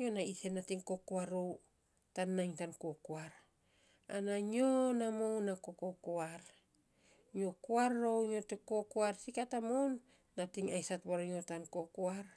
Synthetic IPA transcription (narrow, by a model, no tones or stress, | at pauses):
ɲonaise̞natiŋko̞koaɾo̞w | tanːajŋtankokoaɾ | anaɲo̞namownako̞kokoaɾ | ɲo̞koaɾːo̞wɲo̞tekokoaɾsikatamownː | atiŋajsatβaɾajo̞tanko̞koaɾ